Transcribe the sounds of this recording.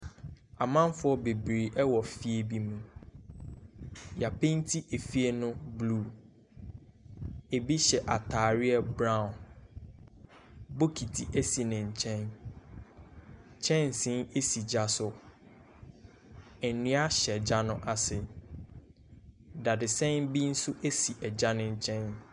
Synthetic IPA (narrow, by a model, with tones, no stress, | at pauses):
a˨mã˦m˦fʊ˦ɔ˦be˨bɾi˨ʔɛ˦wɔ˨fi˦e˦bi˦mũ˨ | ja˨pʰẽ˦n˦tʰi˦ʔe˨fi˦e˦nʊ̃˦blu˦˨ | e˨bi˦ɕɛ˨ʔa˨tʰaː˨ɾɪ˦ɛ˦bɾã˦ʊ̃˨n | bo˦kʰi˨tʰi˨ʔe˦si˨nɪ̃˨ɲ̩˨t͡ɕʰɛ̃˦n | t͡ɕʰɛ̃˦n˨sĩ˦ne˦si˨d͡ʑa˨sʊ˨ | ɛ˨nũ˦a˦ɕɛ˨d͡ʑa˦nʊ̃˦ʔa˨sɪ˨ | da˨dɪ˨sɛ̃˦nbi˦n̩˦sʊ˦ʔe˦si˨ʔɛ˨d͡ʑa˦nʊ̃˦ɲ̩˦t͡ɕʰɛ̃˦n